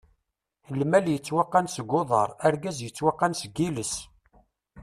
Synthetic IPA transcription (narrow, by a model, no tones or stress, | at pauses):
θəlmæljət͡sːwaqːansəɡʊðˤə̰ɾˤæɾɡæzjət͡sːwaqːansəɡːiləs